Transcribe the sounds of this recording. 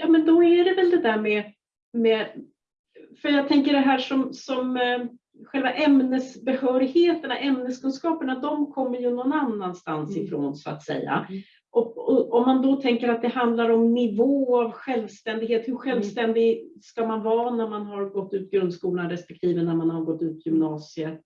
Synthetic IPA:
jɑːmɛnd̪ɔæɖɛvɛld̪ɛd̪æːɾmɛ | mɛ | fœɾjɑːɡ̚t̪ʰɛŋkəɖɛɦæːʂɔmsɔm | ɧɛlvaʔɛmnəsbɛhœːɾɪheːt̪əɳaʔɛmnəskʰɵnskɑːpəɳad̪ɔmkʰɔmːəɾjɵnɔnanːanst̪ansɪfɾo̰ːnsɔa̰t̪sɛ̰jːa̰ | ʔɔkɔɔmːand̪ɔt̪ʰɛŋkəɾat̪̚d̪ɛhand̪laɾɔmnɪvoːavɧɛlvst̪ɛnd̪ɪɡheːt̪hɵɾɧɛlvst̪ɛnd̪ɪɡskamanvɑːnæɾmanɦaɾɡɔt̪ːʉ̟ːt̪̚ɡɾɵnd̪skuːlnaɾɛspɛkt̪ʰiːvənæɾmanhaɾɡɔt̪ːʉ̟ːt̪ʰjʏmnɑːsɪə

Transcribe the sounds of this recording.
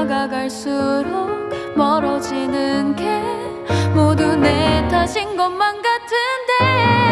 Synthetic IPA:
ɡaɡaɭs͈uɾok̚ | mʌɾʌd͡ʑinɯnɡe̞ | modunetʰaɕʰinɡʌnmːanɡatʰɯnde̞

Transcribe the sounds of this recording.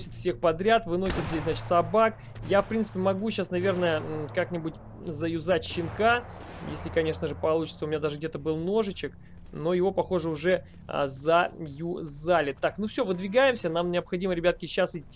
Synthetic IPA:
sʲət̪fsʲe̞xpɐd̪ɾʲat̪vɨno̞sʲət̪zʲesʲznat͡ɕɪt̪sɐbak | jafpɾʲint̪sɨ̥pʲɪmɐɡuɕːasnɐvʲe̞rnəjəkaknʲɪbʊtʲ | zəjʊzatʲɕːɪnka | jesʲlʲɪkɐnʲe̞ʂnəʐɨpɐlˠut͡ɕɪ̥t̪səʊmʲɪnʲad̪aʐɨɡdʲet̪əbɨlˠno̞ʐɨt͡ɕɪk | no̞jɪvo̞pɐxo̞ʐɨʊʐɛ̰ | zəjuzalʲɪt̪ːaknufsʲovɨd̪vʲɪɡajɪmsʲənamnʲɪəpxɐdʲiməɾʲɪbʲat̪̚kʲɪɕːasɨtʲː

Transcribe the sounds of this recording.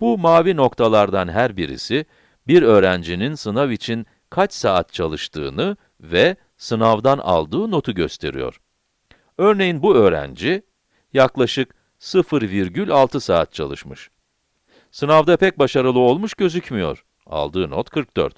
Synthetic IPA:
bumaːvino̞kt̪ʰalˠaɾd̪anɦæɾbiɾḭsi | biɾø̞ːɾænd͡ʒininsɯnavit͡ʃʰin | kʰat͡ʃsaːat̪̚t͡ʃʰalˠɯʃt̪ʰɯ̰ːnɯ | vɛ | sɯnavd̪ana̰lˠd̪ɯːno̞t̪ʰuɟøst̪ʰe̞̰ɾḭjo̞̰ɾ̥ | øɾne̞jinbuø̞ːɾæ̰nd͡ʒi | jaklˠaʃɯk | sɯfɯɾviɾɟylʲalˠt̪ʰɯsaːt̪̚t͡ʃʰalˠɯ̰ʃmɯʃ | sɯnavd̪apɛc̚baʃaɾɯlˠɯolˠmuʃɟø̞zycmijo̞̰ɾ̥ | a̰lˠd̪ɯːnot̪kʰɯɾk̚d̪ø̰ɾt̪

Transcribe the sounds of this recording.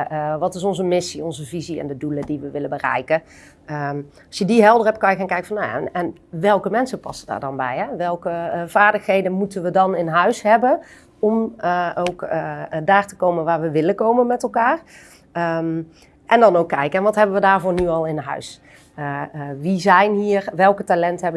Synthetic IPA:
ʋɑtɪs̬ɔnzəmɪsiɔnzəviziɛ̰ndədulədiʋəʋɪləbərɛ̰jkə | ə | ɑsjədiɦɛlˠdərɦɛp̚t̚kɑnjəankɛjkə̥fɔnːaja̰nɛn | ʋɛlˠkəmɛnsəpɑsəda̰ːɹdɑnbɛjɦɛʋɛlˠkəv̥aːɹdəxɦejdənmutənʋədɑnɪnɦœɥsɦɛbən | ɔmowkːdaːɹtə̥kowmənʋaːɹʋəʋɪləkowmənmɛtɛlˠkaːr | əm | ʔɛndɑnowkːɛjkəɛnʋɑtɦɛbənʋədaːɹvʊːɹnyɑlˠɪnɦœ̰ɥs | ʋizɛjnɦiːrʋɛlˠktalɛntɦɛbə

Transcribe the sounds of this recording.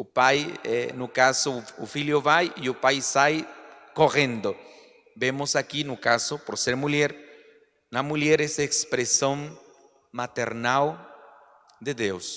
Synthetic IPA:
ʊpajɛnʊkasoʊfiljoβajiʊpajsajkorẽnd̪o | bemʊsakinʊkasopoɾseɾmuleɾ | nɐmuʎeɾesekspɾesõŋ | mat̪eɾnal | d̪eðews

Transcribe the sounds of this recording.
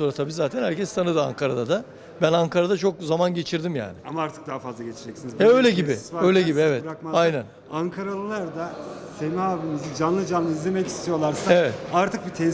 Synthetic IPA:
oɾat̪ʰabiːzaːt̪ʰænhæɾcʰɛst̪ʰanɯd̪ɯa̰ŋkʰaɾad̪ad̪a | bænaŋkʰaɾad̪at͡ʃʰo̞kzamanɟe̞t͡ʃʰiɾd̪imja̰ːnɪ̰a̰maaɾt̪ʰɯ̥k̚d̪aɦafazlˠaɟet͡ʃʰid͡ʒɛcsinizɛø̞jlʲɛɟibiaø̞jlʲɛɟibievɛt̪ɾakmaajnæn | aŋkʰaɾalˠɯlˠaɾd̪asemihaːbimizid͡ʒanlˠɯd͡ʒanmɯizlʲe̞mɛci̥st̪ʰijo̞lˠaɾsaevɛt̪aɾt̪ʰɯk̚bit̪ʰɛ

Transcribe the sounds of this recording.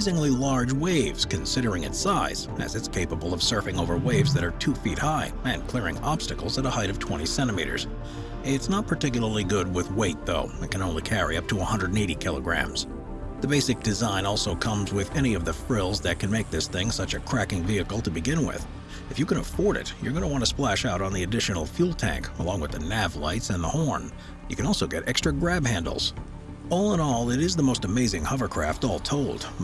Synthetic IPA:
zɪ̃ŋlilɑɹd͡ʒweɪvz̥kɨ̃nsɪɾə˞ɪ̃ŋɨ̰tsaɪz̥ɨ̰zɨtskʰeɪpəbəl̩ˠʌv̥sɜ˞fɪ̃ŋoʊvə˞weɪvzðɨɾə˞tʰufit̚haɪ | ɨ̃nkʰl̥ɪɹɪ̰̃ŋɑb̥stɨkl̩ˠzəɾəhaɪɾʌv̥tʰw̥ɛ̃ɾ̃isɛ̃ɾ̃ɨmiɾə̰˞z̥ | ɪtsnət̚pʰə˞tɪk̬jl̩ˠə˞lˠiɡʊd̚wɪðweɪt̪̚ðoʊɨ̃t̚kʰɨ̃ñõʊ̃nlikʰæɹḭʌp̚tʰəəhʌ̃ndɹə˞ɾn̩eɪɾikʰɪlˠə̰ɡɹæ̰̃mz̥ | ðɨbeɪsɨk̚d̥ɨzãɪ̃nɔlˠsoʊkʰʌ̃mzwɪðɛñiʌvðɨfɹɪlˠzðɨt̚kʰɨ̃nmeɪk̚ðɪsθɪ̃ŋsʌt͡ʃɨkʰɹ̥ækɪ̃ŋviɨkl̩ˠtʰɨbɨɡɪ̃nwɪ̰ð̥ | ɨfjɨkɨ̃nəfɔɹɾɪ̰tjə̰˞ɡʌnəwɑ̃ntɨsplæʃaʊɾn̩ðiɨdɪʃɨn̩l̩ˠfjulˠtʰæ̰̃ŋkəlɔ̃ŋwəðɨnævla̰ɪtsɨ̃nðəhɔɹn | jɨkʰɨ̃nɔlˠsoʊɡɛɾʔɛkstɹ̥ɨɡɹæbhæ̃ndˡl̩ˠz̥ | ɔlˠə̃nɔlˠɪɾɨzðəmoʊstɨmeɪzɪ̃ŋhʌvə˞kʰɹ̥æftɔlˠtʰoʊlˠd̥

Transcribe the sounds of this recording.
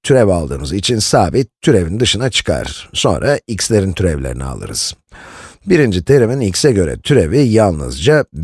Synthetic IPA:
t̪ʰyɾɛvalˠd̪ɯ̰ːnɯzit͡ʃʰinsaːbit̪̚ʰːyɾe̞vind̪ɯʃɯnat͡ʃʰɯ̥kʰa̰ɾ̥so̞̰nɾʔaicslʲe̞ɾint̪ʰyɾɛvlʲeɾḭnḭa̰lˠɯ̰ɾɯ̰z̥ | biɾind͡ʒit̪ʰe̞ɾeminicsɛɟø̞ɾɛ̰t̪ʰyɾevijalˠnɯ̰zd͡ʒa

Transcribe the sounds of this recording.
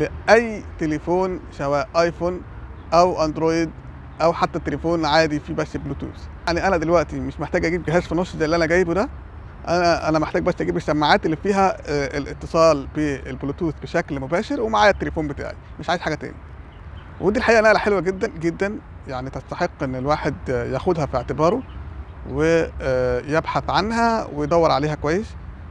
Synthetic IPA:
leʔæjːt̪elefoːnʃæwæːʔɑjfonʔæwʔænd̪ɾoːjed̪ | ʔæwħat̪ːæt̪ːelefoːnʕaːd̪ifibæsːbluːt̪ṵːsjʔaʕniʔænæd̪elwæʔt̪imeʃmeħt̪æːɡʔæɡiːbɡeɦæːzfinoszæʔlːiʔænæɡæːjbud̪æ | ʔænæʔæ̰næmeħt̪æːɡ̚bæsːʔæɡiːbeʃt̪æmːaʕaːt̪elːifiːɦæelʔḛt̪ːesˤɑːlbielblut̪uːsbeʃæklmobæːʃeɾwemaʕaːjæt̪ːelefuːmbet̪a̰ːʕḭmeʃʕaːjez̥ħaɡæt̪æ̰ːni | wʔed̪ilħaʔiːʔænæʔælæħelwæɡed̪ːænɡed̪ːænjaʕnit̪æst̪aħeqːʔenːelwaːħed̪jæxod̪hæfiʕt̪ebɑːɾˤowe | jebħaθʕanɦæwejd̪ˤɑwːɑɾˤʕaleːhækowæjːes

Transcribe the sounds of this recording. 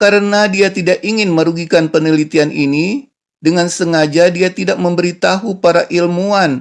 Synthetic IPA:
kaɾənadiat̪idakiŋɪnməɾuɡikanpənəlit̪ianʔini | dəŋansəŋad͡ʒadiat̪idak̚məmbəɾit̪aɦupaɾaʔilmuan

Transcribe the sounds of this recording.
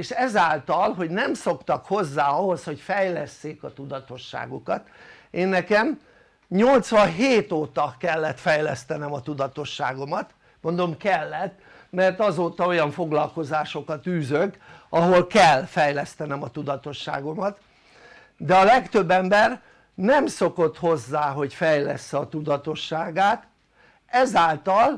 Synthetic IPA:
eːʃɛzaːlt̪ɒlɦo̞ɟnɛmso̞kt̪ɒkho̞zːaːɒɦo̞sho̞cfɛjlɛsːeːkɒt̪ud̪ɒt̪o̞ʃːa̰ːɡukɒt̪ | eːnːɛkɛm | ɲo̞lt̪sʋɒɦeːt̪oːt̪ɒkɛlːɛt̪fɛjlɛst̪ɛnɛmɒt̪ud̪ɒt̪o̞ʃːa̰ːɡo̞mɒt̪ | mo̞nd̪o̞mkɛlːɛt̪ | mɛrt̪ɒzoːt̪ɒo̞jɒɱfo̞ɡlɒlko̞zaːʃo̞kɒt̪yːzøɡɒɦo̞lkɛlfɛjlɛst̪ɛnɛmɒt̪ud̪ɒt̪o̞ʃːa̰ːɡo̞mɒt̪ | d̪ɛɒlɛkt̪ø̞bːɛmbɛr | nɛmso̞ko̞t̪ho̞zːaːɦo̞cfɛjlɛ̰sːɛɒt̪ud̪ɒt̪o̞ʃːaːɡaːt̪ | ɛzaːlt̪ɒl

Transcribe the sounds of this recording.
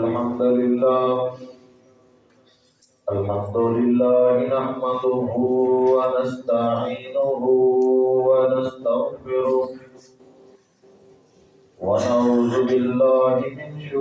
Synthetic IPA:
lħamd̪ʊlɪlːaː | ʔalħamd̪ʊlɪlːaːɦɪnaħmad̪ʊɦʊwanast̪aʕiːnʊɦʊwanast̪aɣfɪɾʊ | wanaʕuːzʊbɪlːaːɦɪmɪnʃ

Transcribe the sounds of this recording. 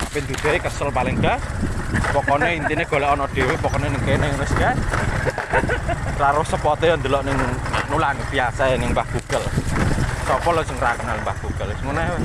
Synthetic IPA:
apind̪ud̪̥ɔekəsəlpaleŋɡa | pɔkɔnɔint̪ineɡ̥o̤lɔʔːnɔd̪̥e̤wepɔkɔnɔnɪŋkenaŋɾəska | raɾʊhsəpɔt̪ejɔnd̪əlɔʔnɪŋna̰nulanəbiasajanɪŋbahɡ̥uɡ̥əl | sɔpɔlɔsəŋrakənalmbahɡ̥uɡ̥əlsəŋunajawɛ

